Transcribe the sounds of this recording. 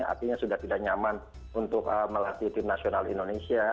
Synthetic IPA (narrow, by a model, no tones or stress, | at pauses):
a̰rt̪iɲasudaht̪idahɲaman | unt̪ʊkəməlat̪it̪ɪmnasionalindonesia